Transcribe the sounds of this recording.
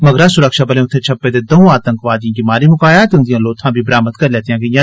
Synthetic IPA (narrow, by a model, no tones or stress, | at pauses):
mɐɡɾaːsʊɾəkʃaːbɐlẽʊt̪ʰːẽt͡ʃʰɐpːed̪eːd̪ɐɦũaːt̪ə̃ŋkʋaːd̪iãːɡɪmaːɾimʊkaːjaːt̪ʊ̃nd̪ijãːloːt̪ʰãːbʱibɐɾaːməd̪kɐɾleːt̪ijãːɡɐjãː